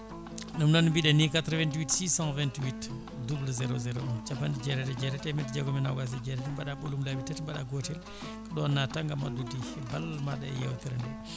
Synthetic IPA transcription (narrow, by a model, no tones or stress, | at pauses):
numnɔnmbiɗɛnikat̪ɾvɛntwitsisãnvɛntwit | dublzɛɾozɛɾoɔnt͡ʃabandid͡ʒɛɾɛtɛd͡ʒɛɾɛtɛmɛtd͡ʒɛɡɔmɛnawɡas̬ɛd͡ʒɛɾɛtmbaɗaɓolumlabitatmbaɗaɡotil | kɗɔnːataŋɡamadudi | balmaɗɛ̰jɛwtɛɾɛndɛ